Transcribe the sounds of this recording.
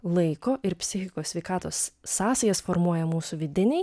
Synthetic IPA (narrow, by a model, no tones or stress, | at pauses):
lˠɐɪkoːʔɪɾpʲsʲɪxʲɪkoːsʲʋʲɛɪkɑːt̪oːsːɑːsɐjɛsfoːɾmuɔjɛmuːsuʋʲɪd̪ʲɪnʲɛɪ